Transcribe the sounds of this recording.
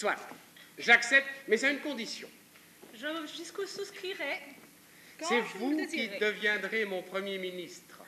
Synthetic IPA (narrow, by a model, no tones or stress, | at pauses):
swat̪ʒaksɛp̚t̪mɛzaynkɔ̃d̪isjɔ̰̃ | ʒəʒyskususkχiʁɛ | sɛvukid̪əvjɛ̃d̪ʁemɔ̃pχəmjeminist̪χ